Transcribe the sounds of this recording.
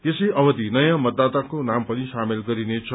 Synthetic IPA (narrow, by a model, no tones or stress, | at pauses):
esʌjʔʌbʌd̪inʌjãmʌd̪ːat̪akonampʌnisamelɡʌɾinet͡sʰʌ